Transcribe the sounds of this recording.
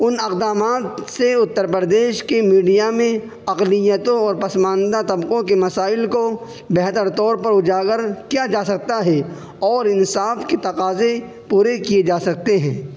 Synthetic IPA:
ʊnɐqd̪aːmaːt̪seʊt̪ːəɾpɾəd̪eːʃkemiːɖijamẽ | ɐqlɪjət̪õɔːɾpɐsmãːnd̪at̪ɐbqõkemɐsaːɪlko | bɛɦt̪əɾt̪ɔːɾpɐɾʊd͡ʒaːɡəɾkijad͡ʒaːsɐk̚t̪aɦɛ | ɔːɾɪnsaːfket̪ɐqaːze | puːɾekijed͡ʒaːsɐk̚t̪eɦɛ̃ː

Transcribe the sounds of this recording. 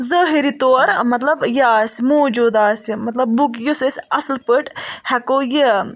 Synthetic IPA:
zəɦiɾit̪oːɾmɐt̪lɐbjɐːsimoːd͡ʒuːd̪aːsimɐt̪lɐbːukjusəsʲɐslpəʈhɛkoːji

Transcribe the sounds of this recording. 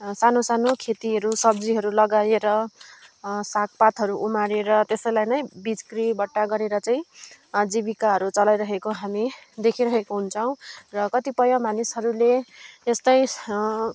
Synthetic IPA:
sanosanokʰet̪iɦʌɾusʌbd͡ziɦʌɾulʌɡajeɾʌ | sak̚ʰpat̪ɦʌɾuʔumaɾeɾʌt̪esʌjlajnʌjbid͡zkribʌʈːaɡʌɾeɾʌt͡saĩ | d͡zibikaɦʌɾut͡sʌlajɾʌɦekoɦamid̪ekʰiɾʌɦekoɦunt͡sʰʌw̃rʌkʌt̪ipʌjomanisʌɾuleːst̪ʌj

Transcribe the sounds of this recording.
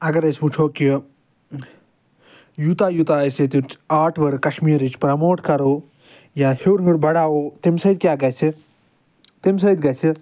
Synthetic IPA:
ɐɡɐɾesʲput͡ʃʰoːki | jut̪aːjut̪aːɐset̪ut͡ʃaːʈʰʋɐɾkɐʃmiːɾit͡ʃpɾɐmoːʈkɐɾoː | jaːhewɾŋiʈbɐɽaːot̪imsɐid̪̚ʲkʲjaːɡɐt͡ʃʰi | t̪imʲs̬ɐd̪ɡɐt͡ʃʰi

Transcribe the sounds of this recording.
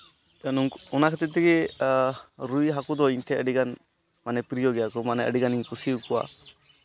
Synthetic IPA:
anuŋunakʰat̪ɛt̪̬iɡi | ɾujɦakud̪ɔint̪ʰɛəɖiɡan | manɛpɾijɔɡɛjakɔmanɛə̰ɖiɡaniŋkusiɾukua̰

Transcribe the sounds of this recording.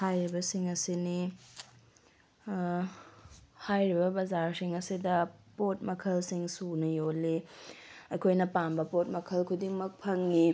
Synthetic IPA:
hajɾibɐsiŋɐsini | hajɾibɐbɐzaɾsiŋɐsidɐpot̚mɐkʰɐlsiŋsunɐjolːi | ɐkʰojnɐpambɐpot̚mɐkʰɐlkʰudiŋmɐk̚pʰɐŋːi

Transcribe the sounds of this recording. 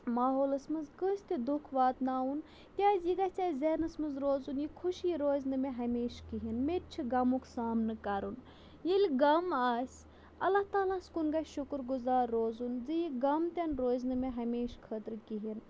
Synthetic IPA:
maːɦoːlɐsmɐzkəsʲt̪id̪ukʰʋaːt̪naːun | kʲaːzjiɡɐsʲt͡sʲaːzʲenɐsmɐnzɾoːzunjikʰuʃjiɾoːznɨmeɦɐmʲeːʃkiɦinmeɾ̚ʲt͡ʃʰiɡɐmukʰsaːmnɨkɐɾun | jilʲɡɐmaːsʲ | ɐ̰lːaht̪aːlaskunɡaʃʊkɾɡuzaːɾːoːzunzijiɡɐmt̪ʲɐnɾoːznɨmeɦɐmeːʃkʰət̪ɾkiɦin

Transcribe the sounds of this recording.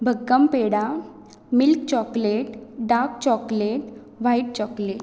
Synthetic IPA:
bʱəɡːəmpeɽa | milkt͡ɕɔkleʈɖaɾk̚t͡ɕɔkleʈ | ʋajʈ̚t͡ɕɔkleʈ̚

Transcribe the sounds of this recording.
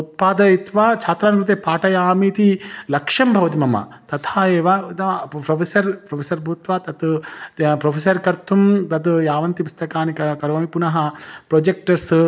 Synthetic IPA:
ut̪̚paːd̪ɐit̪ʋat͡ʃʰaːt̪ɾaːnkɾut̪eːpaːʈɐjaːmiːt̪ilɐkʂɐmbʱɐʋɐt̪imɐmɐ̰t̪ɐt̪ʰaːeːʋat̪ɐpɾopʰesɐɾpɾopʰesɐɾbʱuːt̪ʋaːt̪ɐt̪ | pɾoːpʰes̬ɐɾkɐɾt̪umt̪ɐt̪jaːʋɐnt̪ipust̪ɐkaːnikɐkɐɾʋɐmipunɐɦɐpɾoːd͡ʒek̚ʈɐɾs

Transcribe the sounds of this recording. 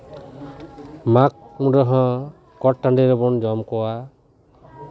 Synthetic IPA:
mak̚mũɖɔɦɔ̃ | kɔʈ̚ʈːaɳɖeɾɔbɔnd͡ʒɔmkɔwa

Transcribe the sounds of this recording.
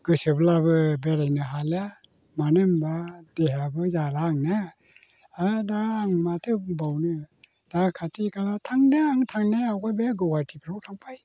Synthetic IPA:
ɡ̥ɯsɯblabɯbeɾajnɯɦala | manɯmbad̥eɦabɯzalaŋna | adaːŋmatʰɯbawnɯ | d̥akʰatikʰalatʰaŋdaaŋtʰaŋnaawɡabeɡɯwatʰipʰɾawtʰaŋpʰaj

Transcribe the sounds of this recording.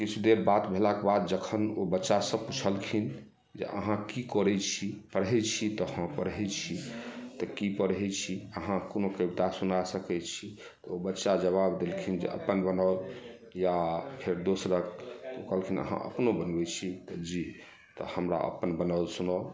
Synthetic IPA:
kit͡ʃʰud̪eɾbat̪bʱelakebad̪̚d͡ʒəkʰənobətːʃasə̃put͡ʃʰəlkʰin | d͡ʒḛʔə̰ɦãkikɔɾɛt͡ʃʰipəɾɦɛt͡ʃʰit̪ɔhə̃pəɾɦɛt͡ʃʰit̪ɔkipəɾɦɛt͡ʃʰiəɦãkonokəbit̪asunasəkɛt͡ʃʰi | t̪ɔobətːʃad͡ʒəβabd̪elkʰind͡ʒḛə̰pənbənəl | japʰeɾd̪osɾəkokəlkʰinə̰ɦã̰ʔə̰pnobənbɛt͡ʃʰit̪ɔd͡ʒi | t̪ɔhəmɾa̰ʔə̰pənbənalsunə

